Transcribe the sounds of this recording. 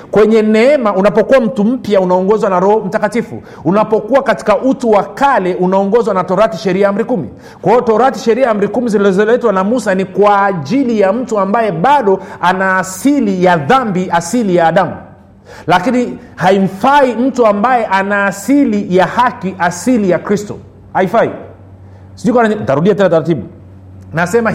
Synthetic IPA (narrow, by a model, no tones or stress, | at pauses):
kwɛɲɛnɛɛmaunapɔkuwam̩tum̩pjaunaɔŋɡɔzwanaɾɔhɔm̩takatifṵ | unapɔkuwakati̥kaʔutuwakalɛunaɔŋɡɔzwanatɔɾatiʃɛɾiaam̩ɾikumḭ | kwahɔɔtɔɾati̥ʃɛɾiaam̩ɾikumizilzɔlɛtwanamusanikwaːʄilijam̩tuambajɛɓaɗɔanaːsilijaðambiasilijaːɗamṵ | lakini | haim̩faim̩tuambajɛʔanaːsilijahakiʔasilijakɾistɔ̰ | haifaḭ | siʄukwanaintaɾuɗiatɛnataɾatiɓu | nasɛma